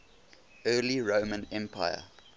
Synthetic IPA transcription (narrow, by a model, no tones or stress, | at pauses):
ɜːliɹoːmə̃nɛ̃mpʰa̰ɪə̰